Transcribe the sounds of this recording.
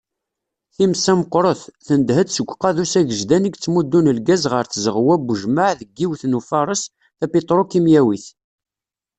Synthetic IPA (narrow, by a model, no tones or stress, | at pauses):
θimsæmqːɾˤoθθənd̪həd̪səɡʷːqɑðusæʝəʒd̪æniɡt͡sːmud̪ːunəlɡæzʁəɾθzəʁwæbʒməʕðəɡːiwθnufɑɾˤəs | θæpit̪ˤɾˤokimjæwiθ